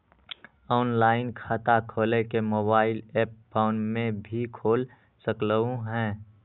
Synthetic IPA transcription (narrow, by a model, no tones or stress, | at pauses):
ɔːnlaːɪnkʰaːt̪akʰoːlekemoːbaːɪlɛːp̚pʰaːʊnmẽbʱikʰoːl | səkləũɦɛ̃ː